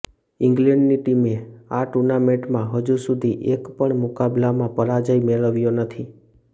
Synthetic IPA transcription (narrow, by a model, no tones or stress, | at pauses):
ɪ̃ŋɡlẽɳɖniʈimeaʈuɾnamẽʈmãɦəd͡ʒusud̪ʱiʔekpəɳmʊkablamãpəɾad͡ʒəimeɭəʋjonət̪ʰi